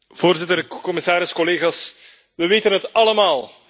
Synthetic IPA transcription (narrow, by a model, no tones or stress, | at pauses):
v̥oːrzɪtərkɔmɪsaːɾɪskɔleːɣaːs | ʋəʋeːtənɦətɑləmaːlˠ